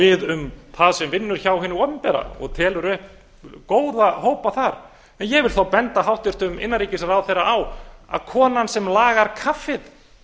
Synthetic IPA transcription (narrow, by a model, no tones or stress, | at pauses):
ɪðʏmθaðsɛmvɪnːʏɾ̥çaːwɦɪnːɪɔmpɛɾa̰ɔ̰ɣt̪ʰɛːlʏɾʏhp | koːwðahoːwpaθaɾ | ɛnjɛɣvɪlɾ̥θawpɛnt̪aɦawht̪ʏr̥t̪ʏmɪ̰nːaɾiːcɪsaɾawθejɾaawa̰ðkʰɔːnansɛmlaːɣaɾkʰafɪð